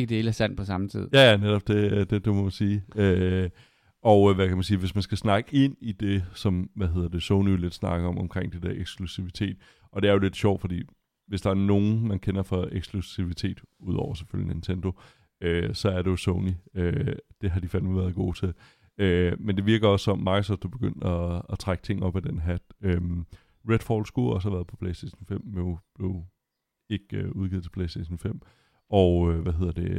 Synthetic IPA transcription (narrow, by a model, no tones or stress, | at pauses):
eɡ̥əd̥elæsæn̰pʰɒ̽sɑ̈mt͡sʰḭð̰ˠjæjæneɾɒ̽b̥̚d̥e̝d̥e̝d̥e̝mɒmænsiːø | ʔɒ̽ʊʋækʰæmænsiːʋe̝smænsɡ̥æsnɑ̈ɡ̥əe̝n̰id̥e̝sɒ̽mʋæɦe̝ð̞̰ˠɐd̥esoʊnijo̝le̝d̥snɑ̈ɡ̥əɒ̽mɒ̽mkʰʁeŋ̰d̥e̝d̥eɐʔeɡ̥sɡ̥lusiʋit͡sʰe̝̰ːd̥ | ʔɒ̽d̥e̝æɐjo̝le̝d̥ɕɒ̰ʊ̰d̥fɒ̽d̥ḭː | ʋe̝sd̥ɑ̈æɐno̝ːn̩mænkʰenɐfɒ̽eɡ̥sɡ̥lusiʋit͡sʰe̝̰ːd̥uð̞̰ˠɒʊ̰ɐse̥føljəne̝nt͡sʰend̥o̝ | øsɒ̽æɐɾe̝jo̝soʊniød̥e̝ɦɑ̈d̥ifænuʋæɐðˠɡ̥o̝̰ːt͡sʰe̝l | ømend̥e̝ʋiɐɡ̥ɐɒ̽sːɒ̽mmɑ̈ːɡ̥əsɒd̥d̥ub̥e̝ɡ̥øn̰d̥ɒːt͡sʰʁaɡ̥ə̥t͡sʰe̝ŋ̰ɒ̽b̥æd̥enɦæd̥øm | ʁed̥fɒːlsɡ̥uɒ̽səhæʋæːɐðˠpʰɒ̽pʰleɪsd̥eɕn̩fem̰meb̥le̝ʊ | e̝ɡ̥øuð̞ˠɡið̩ˠt͡sʰe̝̥pʰleɪsd̥ḛɕən̩fem̰ | ɒʊʋæɦe̝ð̞̰ˠɐd̥e̝